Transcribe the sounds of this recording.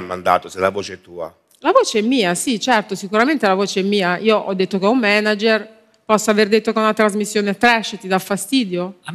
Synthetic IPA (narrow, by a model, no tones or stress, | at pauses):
mːand̪a̰ːt̪oselːavoːt͡ʃeɛt̪uːa̰ | lavoːt͡ʃeɛmːiːasit͡ʃɛrt̪osikuɾament̪elavoːt͡ʃeɛmːiːaʔiːoʔɔd̪ːet̪ːokeumːɛnad͡ʒer | pɔsːaverd̪et̪ːokeunat̪ːɾazmisːjoːnet̪ɾɛʃːet̪id̪afːast̪iːd̪jo